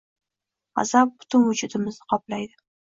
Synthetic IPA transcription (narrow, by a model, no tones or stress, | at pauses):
a̰zap̚bʊ̥t̪ʰʊnwʊd͡ʒʊd̪ɪmɪznɪqʰɒplajd̪ɪ